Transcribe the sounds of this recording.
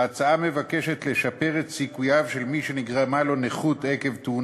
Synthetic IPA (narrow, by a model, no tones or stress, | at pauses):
at͡saame̞vake̞ʃe̞t̪le̞ʃape̞ʁet̪sikujavʃe̞lmiʃe̞niɡʁamalo̞neχut̪eke̞vt̪un